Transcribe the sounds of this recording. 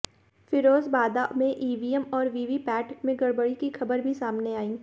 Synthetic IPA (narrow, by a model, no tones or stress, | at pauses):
fɪɾoːzbaːd̪amẽʔiːʋiːəmɔːɾʋiːʋipɛːʈkmẽɡɐɽbəɽikixʰɐbəɾbʱisaːmneaːĩː